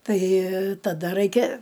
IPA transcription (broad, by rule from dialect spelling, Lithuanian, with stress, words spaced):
ˈtɐɪ tɐˈdɐ ˈrɐɪkʲɛ